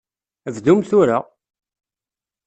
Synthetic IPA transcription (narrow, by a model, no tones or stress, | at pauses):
vd̪umθʊɾa